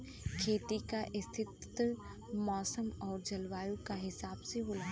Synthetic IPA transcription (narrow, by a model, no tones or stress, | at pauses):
kʰeːt̪ikaʔɪst̪ʰɪt̪ | mɔːsəmɔːɾd͡ʒɐlʋaːjukaɦɪsaːbseɦoːlaː